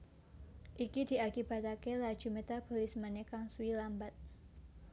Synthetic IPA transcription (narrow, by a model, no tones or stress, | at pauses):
ʔikidi̤akib̥a̤t̪akelḁʒ̥umet̪ab̥o̤lismanekaŋsuilambat̪̚